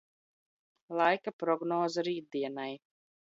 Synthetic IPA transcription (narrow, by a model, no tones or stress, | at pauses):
lˠajkapɾɔɡnɔːzaɾiːd̪̚d̪iɛnaj